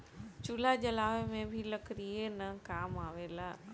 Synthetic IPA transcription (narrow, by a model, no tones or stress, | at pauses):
t͡ɕulad͡ʑɐlaːʋemẽbʱɪlɐkɾienɐkaːmaːʋeːlaː